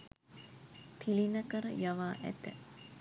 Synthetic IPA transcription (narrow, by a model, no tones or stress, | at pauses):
t̪ʰilinəkəɾə̰jaʋaːʔæ̰t̪ə̰